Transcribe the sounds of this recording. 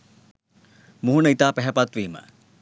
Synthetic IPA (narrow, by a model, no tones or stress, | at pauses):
muɦunəit̪aːpæɦɛpat̪ʋiːmə̰